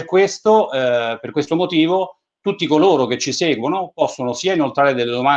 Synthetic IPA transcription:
rkwest̪operkwest̪omot̪iːvo | t̪ut̪ːikoloːɾok̟et͡ʃːisɛːɡwonopɔsːonosiːainolt̪ɾaːɾed̪elːed̪oma

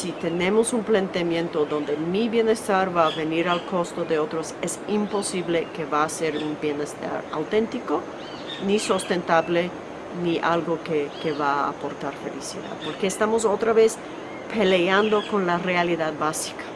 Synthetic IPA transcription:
sit̪e̞ne̞mo̞sumplant̪emjẽ̞nt̪oðõ̞nd̪emiβje̞ne̞st̪aɾβaβe̞niɾalko̞st̪oðeot̪ɾosesimpo̞siβle̞ke̞βaːse̞ɾumbje̞nest̪a̰ɾa̰wt̪ẽ̞nt̪iko | nisost̪e̞nt̪aβle̞ | niʔalɣo̞kekeβaːpo̞ɾt̪aɾfe̞lḭsḭða̰ð̥po̞ɾkeːst̪amos̬ot̪ɾaβe̞s | pʰe̞leand̪o̞ko̞nlarealiðaðbasi̥kḁ

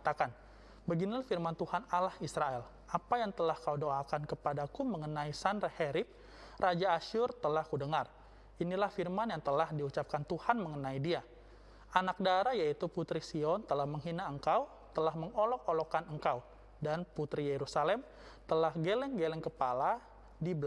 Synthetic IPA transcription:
t̪akan | bəɡinilahfirmant̪uhanalahisɾaɛl | ʔapajaŋt̪əlahkaudoakankəpadakuməŋənaisanreheɾɪp̚ | rʔad͡ʒaːʃʊrt̪əlahkudəŋar | inilahfirmanjaŋt̪əlahdiut͡ʃap̚kant̪uhanməŋənaidia | ʔanak̚daɾajait̪uput̪ɾisiɔnt̪əlahməŋɦinaəŋkaw | t̪əlahməŋolɔk̚olɔkanəŋkaw | danput̪ɾijeɾusalɛm | t̪əlahɡelɛŋɡelɛŋkəpala | dibəl

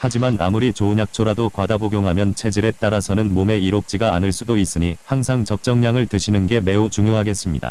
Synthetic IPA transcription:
had͡ʑimana̰muɾit͡ɕoːɲjak̚t͡ɕʰoɾadokwadaboɡjoŋɦamjʌnt͡ɕʰe̞d͡ʑiɾe̞t͈aɾasʰʌnɯnmome̞iɾop̚t͡ɕ͈iɡa̰ːnɯɭs͈udois͈ɯɲihaŋsʰaŋt͡ɕʌp̚t͡ɕ͈ʌŋɲaŋɯɭtɯɕʰinɯnɡe̞me̞ut͡ɕuŋjoɦaɡe̞s͈ɯmɲida̰

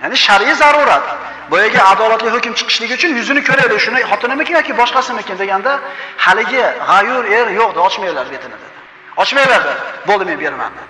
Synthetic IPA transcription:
janɪʃaɾijzaɾuɾat̪ | bɒjaɡʲaːd̪ɒlat̪lɪhɵkʲɪmt͡ʃʰɨ̥qʰɨ̥ʃlɪɡʲɪʊt͡ʃʰʊnjʊzɪnɪkʰʲɵɾad̪ɪʃʊnɪhɒt̪ɪnɪmɪkʲɪnjɒkʲɪbɒʃqɑsɪmɪkʲɪnd̪e̞ɡʲand̪ahalɪɡʲɪʁajʊɾe̞ɾjoq̚d̪ɪɒt͡ʃmajlaɾbet̪ʰɪnɪd̪ed̪ɪ | ɒt͡ʃmajlaɾd̪ɪbolˠd̪ɪme̞nbe̞ɾɪma̰nd̪ɪ

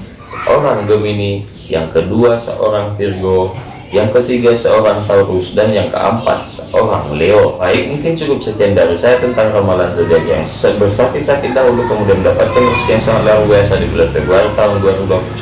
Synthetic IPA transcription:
səʔoɾaŋɡəmini | ja̰ŋkəduasə̰ʔo̰ɾaŋfirɡo | jaŋkət̪iɡasəoɾaŋt̪aurusdanjaŋkə̰ʔə̰mpa̰t̪̚səʔoɾaŋleofaɪk̚muŋkɪnt͡ʃukʊp̚sət̪iandaɾisajat̪ənt̪aŋramalanzədianja̰ŋsu̥sabərsakɪt̪̚sakɪt̪̚daɦulʊkəmudiandapat̪̚kanrusijaŋsaŋat̪̚laɾubiasadibularpəɡuaɾit̪aʊnduat̪uɡakut͡ʃ

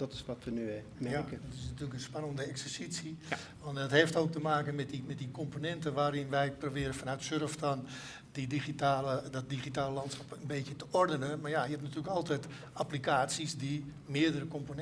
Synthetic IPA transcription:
d̥ɔtɪ̥sʋɔtʋəny | mɛjakədɔtɪsnatyːləkənspanəndəɛksəsisi | ʋɔndɔtheftoːk̚təmaːkənmɛtdimɛt̚dikomponɛntənʋaːɾɪnʋɛjprobɪəɾənfanœɥtsørəftɔn | didixitaːlədɔt̚diχitaːləlɑntsxɔ̥pənbeːtjətəɔrdənəmarjajəhɛtnatyːələkɔlˠtɛjt | aplikaːtsisdi | mɪədərəkomponɛ

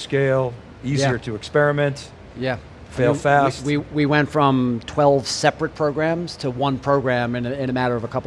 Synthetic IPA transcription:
skeɪlˠ | iziə˞ɾɨɨkspɛɹɨmɛ̃nt | jæ | feɪlˠfæsstwiwiwɛ̃ntfɹʌ̃mtʰw̥ɛlˠv̥sɛpɹɨt̚pʰɹ̥oʊɡɹæ̃mz̥tʰəwʌ̃npʰɹ̥oʊɡɹæ̃mɨ̃nɪ̃ñɨmæɾə˞ʌvəkʰʌpl

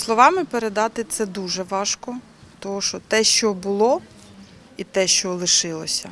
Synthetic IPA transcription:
slˠɔʋɑmɪpeɾed̪ɑt̪ɪt̪sɛd̪uʒɛʋɑʃkɔ | t̪ɔɦɔʃɔt̪ɛʃt͡ʃɔbʊlˠɔ | it̪ɛʃt͡ʃɔlˠɪʃɪlˠɔsʲɐ

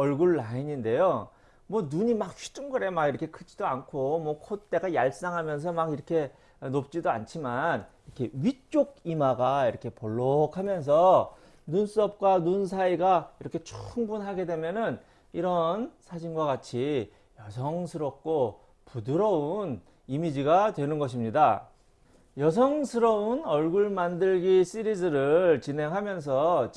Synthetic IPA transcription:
ʌɭɡuɭːaiɲinde̞jo | mwʌnuɲimak̚ɕʰi̥t͡ɕ͈uŋɡɯɾe̞maɡiɾʌkʰekʰɯt͡ɕ͈idoankʰomwʌkʰot̚t͈e̞ɡajaɭs͈aŋɦamjʌnsʰʌmaɡiɾʌkʰe̞ | nop̚t͡ɕ͈idoa̰nt͡ɕʰimaniɾʌkʰe̞ɥit͡ɕ͈oɡ̚imaɡaiɾʌkʰe̞poɭːokʰamjʌns̬ʰʌ | nuns͈uʌp̚k͈wanuns̬ʰaiɡaiɾʌkʰe̞t͡ɕʰu̥ŋbunɦaɡe̞dwe̞mjʌnɯn | iɾʌnsʰad͡ʑinɡwaɡat͡ɕʰi | jʌsʰʌŋsʰɯɾʌp̚k͈o | pudɯɾʌun | imid͡ʑiɡatwe̞nɯnɡʌɕ̬ʰimɲida | jʌsʰʌŋsʰɯɾʌunʌɭɡuɭmandɯɭɡis͈ɯɾisɯɾɯɭt͡ɕinɦe̞ŋɦamjʌns̬ʰʌ

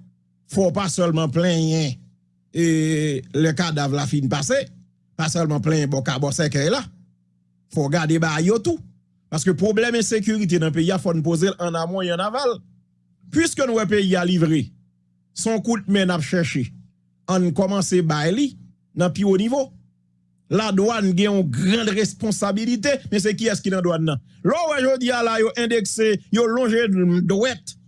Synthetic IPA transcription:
fɔpasœlmɑ̃plɛ̃jɛ̃ | elɛkadavlafinpase | pasœlmɑ̃plɛ̃jɛ̃bɔkabɔsɛkɛjla | fɔɡadebaːjjot̪u | paʁskøpʁoblɛmɛ̃sek̬yʁit̪̬enɐ̃p̬eiafɔnũp̬ozelʔɐ̃namwɛ̃jɛ̃naval | pɥiskønũwɛp̬eialivʁe | sɔ̃kũt̚mɛ̃napʃɛʃe | ãnukɔmɑ̃sebajli | nɐ̃pionivo | ladwanɡɛ̃ɔ̃ɡʁɐ̃dʁespɔ̃sabilit̪̬emɛ̃s̬ɛkiɛskinɐ̃dwanːɐ̃ | lɔwɛʒod͡zialajoʔɛ̃d̪eksejolɔ̃ʒedwɛt̪

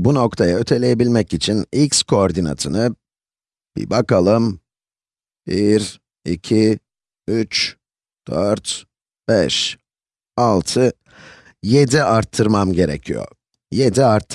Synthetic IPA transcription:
buno̞kt̪ʰajaø̞t̪ʰe̞lʲeje̞bilʲmɛcit͡ʃʰinicskʰo̞ːɾd̪ina̰t̪ʰɯnɯ | b̥ḭbakalˠɯm | biɾ | icʰi | yt͡ʃ | d̪̥øɾt̪ | b̥ɛʃ | alˠt̪ʰɯ | je̞d̪iaɾt̪ʰːɯɾmamɟe̞ɾḛcʰijo̰ | je̞d̪iaɾt̪ʰː

